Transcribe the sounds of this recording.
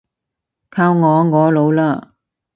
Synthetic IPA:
kʰaː˧wŋɔː˨˧ŋɔː˨˧lo˨˧˥wlaː˥

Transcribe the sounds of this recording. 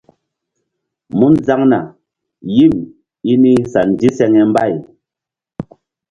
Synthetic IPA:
mu˦nza˦ŋna˨ | ji˦˨m | i˦ni˦sa˨n˨di˦sɛ˧ŋɛ˨m˦ba˦˨j

